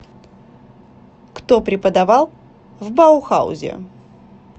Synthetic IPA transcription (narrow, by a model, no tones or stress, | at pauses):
kt̪opɾʲɪpəd̪ɐvalˠ | vbaʊxa̰ʊ̰zʲɪ̰ʊ̰